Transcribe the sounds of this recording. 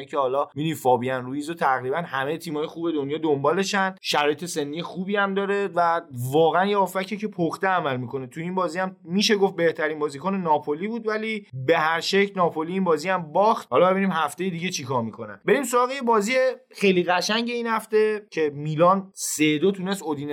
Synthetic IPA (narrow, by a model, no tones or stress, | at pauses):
icʰehɒːlɒːmid̪ifɒːbiænɾujiːzot̪ʰæɣɾiːbænhæmejet̪ʰiːmɒːjexuːbe̞d̪onjɒːd̪ombɒːle̞ʃænʃæɾɒːjet̪ʰe̞se̞nːijexuːbiːæmd̪ɒːɾevævɒːɣeænjeofæcʰecʰe̞pʰoxt̪eæmælmikʰo̞ne̞t̪ʰuiːnbɒːziæmmiːʃe̞ɡo̞ft̪̚be̞ht̪ʰæɾiːnbɒːziːkʰonenɒːpʰoliːbuːd̪vælibe̞hæɾʃecʰlnɒːpʰo̞liiːnbɒːziæmbɒːxt̪̚hɒːlɒbeiːniːmɦæft̪e̞jed̪iɟe̞t͡ʃʰikʰɒːɾmikʰo̞næ̰nbe̞ɾimsoɾɒːɣejebɒːziexejliɣæʃæɲɟe̞iːnhæft̪e̞cʰe̞miːlɒːnsed̪ot̪ʰune̞st̪od̪iːn